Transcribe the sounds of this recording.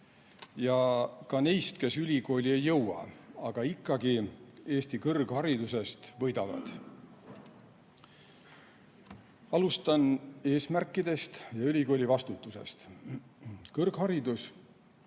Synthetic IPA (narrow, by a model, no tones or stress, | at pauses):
jɑkɑnejst̪ke̞sylʲiɡo̞ːlʲiejːɤwɑ̰ɑɡ̥ɑikːˑɑɡie̞ːst̪ikɤrɡ̥hɑɾid̪use̞st̪vɤjd̪̥ɑvɑ̰d̪̥ | ɑlust̪ɑne̞ːsmærkːˑid̪e̞st̪jɑylʲiko̞ːlʲivɑst̪ut̪ːˑuse̞̰st̪ | kɤrɡ̥hɑɾid̪us